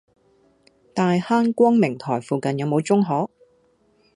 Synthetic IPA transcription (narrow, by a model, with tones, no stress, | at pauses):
t̪aː˨jhaː˥nkʷɔː˥ŋmɪ˨˩ŋt̪ʰɔː˨˩jfuː˨kɐ˨njɐ˨˧wmo˨˧wt͡sʊ˥ŋɦɔː˨˥k̚